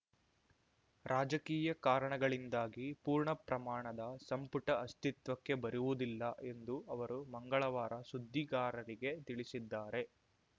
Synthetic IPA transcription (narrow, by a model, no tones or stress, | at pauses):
ɾʔaːd͡ʒɐkiːjɐkaːɾɐɳɐɡɐɭind̪aːɡipuːɾɳɐpɾɐmaːɳɐd̪ɐsɐmpuʈɐɐst̪it̪ʋɐkːe̞bɐɾuʋud̪ilːɐʔe̞nd̪uɐʋɐɾumɐŋɡɐɭɐʋaːɾɐsud̪ʱːiɡaːɾɐɾiɡe̞t̪iɭisid̪ːaːɾe̞